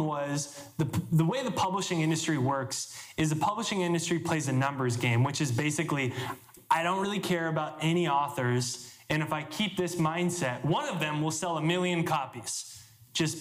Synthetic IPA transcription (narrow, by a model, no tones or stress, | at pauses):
wʌz | ðɨðəweɪðɨpʰʌbləʃɪ̃ŋɪ̃ndɨstɹ̥iwɜ˞ksɨzðɨpʰʌbləʃɪ̃ŋɪ̃ndɨstɹ̥ipʰl̥eɪzɨnʌ̃mbə˞zɡẽɪ̃mwɨt͡ʃɨzbeɪsɨkli | aɪɾõʊ̃n̚ɹɪlˠikʰɛɹɨbaʊɾɛñiɔθə˞zɨ̃ñɨfaɪkʰip̚ðɪsmãɪ̃nd̥sɛt̚wʌ̃nʌvðɨ̃mwəlˠsɛlˠəmɪlˠjɨ̃nkʰɑpiz̥ | d̥ʒ̥ʌs